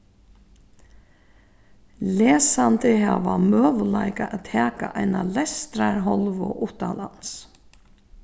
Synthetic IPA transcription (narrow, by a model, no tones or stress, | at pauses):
lɛːsant̪ɪhaːʋamœːʋəlaɪkaʔæt̪ʰɛːkaʔajnalɛst̪ɾaɾɦɔlʋʊʔʊht̪alans